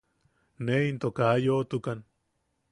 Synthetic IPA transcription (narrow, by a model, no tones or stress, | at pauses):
neint̪okajot̪ukan